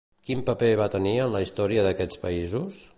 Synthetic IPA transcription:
kimpəpɛβ̞at̪əniənləist̪ɔɾiəðəkɛt͡spəizus

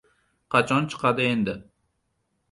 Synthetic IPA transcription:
qʰɑt͡ʃʰɒnt͡ʃʰɨ̥qʰɑd̪ɪe̞nd̪ɪ

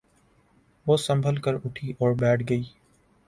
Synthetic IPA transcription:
ʋoːsɐ̃mbʱəlkəɾʊʈʰiʔɔːɾbɛːʈʰɡəiː

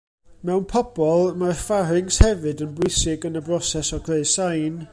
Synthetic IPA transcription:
mɛwnpʰɔb̥ɔlˠmarfaɾɪŋshɛvɨdənbʊjsɪɡənəbrɔsɛsɔɡʰreɨsajn

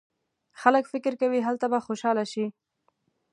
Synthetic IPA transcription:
xaləkfɪkɪɾkawiɦalt̪abaxoʃɑlaʃi

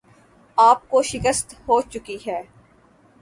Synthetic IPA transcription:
aːp̚koʃɪkəst̪hoːt͡ʃʊkiɦɛː

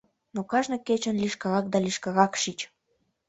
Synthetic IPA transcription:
nokɑʒnɤ̆ket͡ɕə̆nliʃkɑɣɑk̚d̪ɑlʲiʃkɑɣɑkʃit͡ɕ

